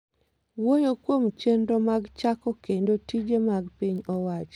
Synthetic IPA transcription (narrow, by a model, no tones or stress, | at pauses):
wojokwomt͡ʃendomaɡt͡ʃakɔkendotid͡ʒemaɡpiɲɔwat͡ʃ